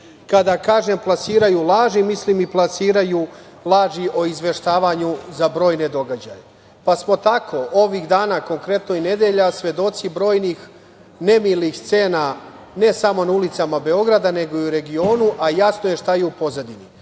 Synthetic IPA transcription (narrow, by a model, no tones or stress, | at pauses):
kad̪akaːʒe̞mplˠasiːɾajulˠaːʒimislimiplˠasiːɾaju | lˠaːʒiʔo̞izʋe̞ʃt̪aːʋaɲuzabɾo̞ːjne̞d̪o̞ɡad͡ʑa̰je | pasmo̞t̪akʰo̞ʔo̞ʋiɣd̪aːnako̞ŋkɾe̞t̪no̞ine̞d̪eʎasʋe̞d̪o̞t̪sibɾo̞ːjnix | ne̞milixst̪se̞ːna | ne̞samo̞naulit̪samabe̞o̞ɡɾad̪ane̞ɡo̞iuɾe̞ɡio̞ːnuʔajasno̞je̞ʃt̪ajeupo̞zad̪ini